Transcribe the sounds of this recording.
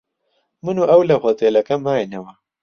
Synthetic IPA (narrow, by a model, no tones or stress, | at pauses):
mɨnuːʔɐwlɐxot̪eːlɐkɐmaːjnɐwɐ